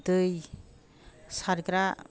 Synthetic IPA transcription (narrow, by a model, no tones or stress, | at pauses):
t̪ɯj | saɾkɾa